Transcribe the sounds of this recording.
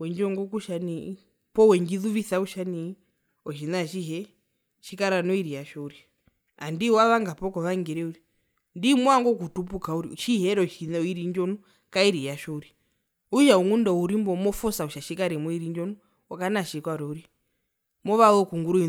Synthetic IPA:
wɛɲd͡ʒɔŋɡɔkuʃani | pɔwɛɲd͡ʒiðuβisauʃani | ɔʃinaʃiɦɛ | ʃikaɾanɔiɾijaʃɔuɾi | andiwaβaŋɡapɔkɔβaŋɡɛɾɛuɾi | ndimwaŋɡɔk̬utupukauɾḭʃihɛɾɔʃiniɾiɲd͡ʒɔnu | kaiɾijaʃɔuɾi | uʃauŋundɔuɾimbɔmɔfɔsauʃaʃikaɾɛmɔiɾiɲd͡ʒɔnu | ɔkanaʃikwaɾɔuɾi | mɔβalɔkuŋɡuɾui

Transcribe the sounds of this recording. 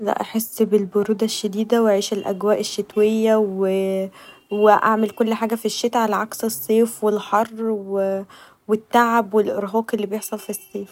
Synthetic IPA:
læ̰ʔaħesːbelboɾuːd̪æʃːed̪iːd̪æweʕiːʃelʔæ̰ɡwæːʔeʃːet̪wejːæwe | weʔaʕmelkolːħaːɡæfiʃːet̪ʕalæʕɑksesˤːeːfwelħɑrˤːwe | wet̪ːaʕabwelʔḛɾɦoːkelːibejeħsˤɑlfisˤːeːf

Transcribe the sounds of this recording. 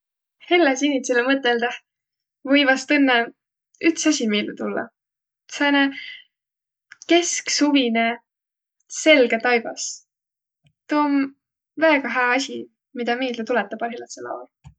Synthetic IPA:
helːesinʲːit̪selemɤt̪ːˑeld̪̥eh | vɤjvɑst̪ɤnːe | yt̪sɑsʲimiːlːet̪ulːɑ̰ | sɑne | ke̞sksuvine | se̞lɡet̪ɑjb̥ɑ̰s | t̪oːm | væːɡ̥ɑɦeːɑsʲi | mid̪̥ɑmeːlet̪ulɛt̪ːˑɑpɑlɦilɑt̪selɑ̰ol

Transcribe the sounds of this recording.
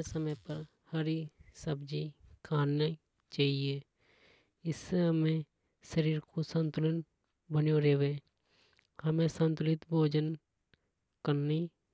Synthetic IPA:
səməjpəɾ | həɾisəbd͡ʒikʰaːnː | t͡ʃaːɦie | ɪsːeɦəmẽ | ʃəɾiːɾkosə̃nt̪ʊlən | bənjoɾeːʋe | həmẽsə̃nt̪ʊlɪt̪bʱoːd͡ʒən | kəɾni

